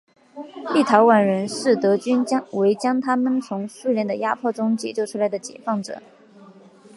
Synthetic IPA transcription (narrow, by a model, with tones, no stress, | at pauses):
li˥˩t̪ʰɑ˧˥ʊwa˨˩nɻə˧˥nʂɻ̩˥˩t̪ɤ˧˥t͡ɕy˥nt͡ɕwe˧˥ɪt͡ɕjɑ˥ŋt̪ʰa˥mə˨nt͡sʰʊ˧˥ŋswu˥ljɛ˥˩nd̪ə˩ja˥pʰwɔ˥˩ʈ͡ʂʊ˥ŋt͡ɕjɛ˨˩t͡ɕjo˥˩ʊʈ͡ʂʰu˥la˧˥ɪd̪ə˧t͡ɕjɛ̰˨˩fɑ˥˩ŋʈ͡ʂɤ̰˨˩˦